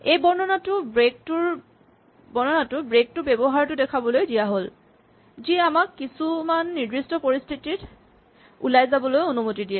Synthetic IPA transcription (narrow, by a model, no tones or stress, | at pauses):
ejbɔɹnɔnatʊbɹek̚tʊɹ | bɔɹnɔnatʊbɹek̚tʊbebɔɦaɹtʊdɛkʰabɔlojdijaɦol | ziamakːisumanːiɹdɹistɔpoɹist̪ʰitit | ṵlajzabɔlojonumotidiɛ